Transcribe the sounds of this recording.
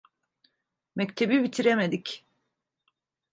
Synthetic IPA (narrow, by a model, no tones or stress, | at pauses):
mɛct̪ʰe̞bibit̪ʰiɾemed̪ic